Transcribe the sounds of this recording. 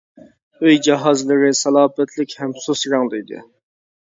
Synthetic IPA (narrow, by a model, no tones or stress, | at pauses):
øjd͡ʒɑɦɑzlˠɨɾɨsɑlˠɑːpɛt̪ʰlɪkʲhɛmsosɾɑŋd̪ˠɨjd̪ɨ̰